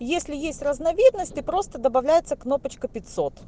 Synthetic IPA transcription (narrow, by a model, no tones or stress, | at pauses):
jesʲlʲɪjesʲtʲrəznɐvʲid̪nəsʲt̪ʲɨpɾo̞st̪əd̪əbɐvlʲæjɪt̪səkno̞pət͡ɕkəpʲɪt̪ʲso̞t̪